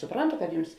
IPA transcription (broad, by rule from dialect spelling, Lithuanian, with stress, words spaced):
sʊˈprɐntʊ kɐt ˈjʊms